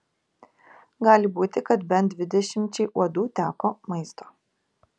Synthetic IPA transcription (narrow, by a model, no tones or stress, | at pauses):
ɡɑːlʲɪbuːt̪ʲɪkɐt̪bʲɛnt̪̚d̪ʲʋʲɪd̪ʲɛʃʲɪmʲt͡ʃʲɛɪʔuɔd̪uːt̪ʲæːkoːmɐɪst̪o̥ː